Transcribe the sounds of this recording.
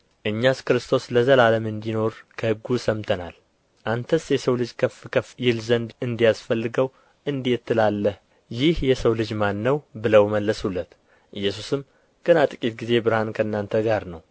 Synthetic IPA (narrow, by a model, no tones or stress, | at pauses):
ʔɨɲːaskɨɾɨst̪ʰo̞sləzəlaləmɨnd̪ino̞ɾkʰəhɨɡːusəmt̪ʰəna̰l | ʔant̪ʰəsjɛsəwlɨd͡ʒkʰəfkʰəfjɪlzənd̪ɨnd̪ijasfəlːɨɡəw | ʔɨnd̪it̪ːɨlalːəh | jɪhjɛsəwlɨd͡ʒmanːəwbɨləwməlːəsulːət̪ | ʔɨjːɛsusɨm | ɡ̥ɨnat̪ʼɨkʼit̪̚ɡize̞bɨɾhankʰəɨnːant̪ʰəɡaɾnəw